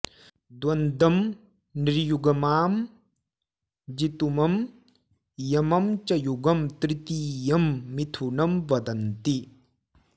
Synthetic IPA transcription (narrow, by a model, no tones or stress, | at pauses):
d̪wɐnd̪ɐm | niɾjuɡɐmaːm | d͡ʒit̪umɐm | jɐmɐmt͡ʃɐjuɡɐmt̪ɾit̪ijɐmːit̪ʰunɐmʋɐd̪ɐnt̪i